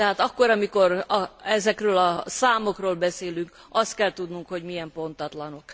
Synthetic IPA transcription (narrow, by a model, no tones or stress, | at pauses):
t̪ɛɦaːt̪ɒkːoɾɒmiko̞ɾɒɛzɛkrøːlɒsaːmo̞kroːlbɛseːlyŋk | ɒst̪̚kɛlt̪ud̪nuŋkho̞ɟmijɛmpo̞nt̪ɒt̪lɒno̞k